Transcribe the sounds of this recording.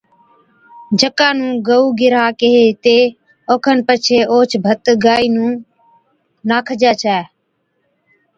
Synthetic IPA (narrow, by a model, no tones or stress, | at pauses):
d͡ʒʱəkaːnũːɡəuːɡɪɾaːkeɦeːt̪eː | oːkʰənpət͡ʃʰeːoːt͡ʃʰbʱət̪ɡaːiːnũː | naːkʰəd͡ʒaːt͡ʃʰaː